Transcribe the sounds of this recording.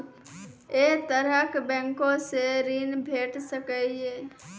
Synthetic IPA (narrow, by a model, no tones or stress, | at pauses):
et̪əɾəkbɛ̃ːŋkõseɾinbʱeːʈsəkɛeː